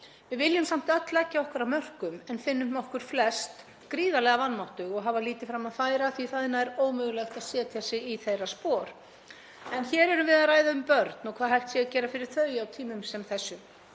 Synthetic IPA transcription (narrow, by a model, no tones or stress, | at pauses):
vɪðvɪljʏmsam̥t̪œt̪lacːaɔhkʏɾaðmœr̥kʏmɛnfɪnːʏɔhkʏɾ̥flɛst̪ | kɾiːðalɛɣavanːmawht̪ʏɣɔɣɦaːvaliːt̪ɪfɾamːaðfaːjɾaθviθaðɪnaɛɾoːwmʏːɣʏlɛxt̪aðsɛːt̪ʰjasɪɣiθejraspɔːɾ̥ | ɛnçɛːɾɛɾʏmvɪðaðraːjðaʏmpœɾt̪nɔkʰvaːðɦajht̪sjɛcɛːɾafɪɾɪɾ̥θœːjawt̪ʰiːmʏmsɛmθɛsːʏ